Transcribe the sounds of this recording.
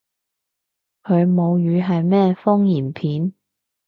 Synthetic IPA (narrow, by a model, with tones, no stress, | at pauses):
kʰɵ˨˧ɥmo˨˧wjyː˨˧ɦɐ˨jmɛː˥fʊ˥ŋjiː˨˩npʰiː˨˥n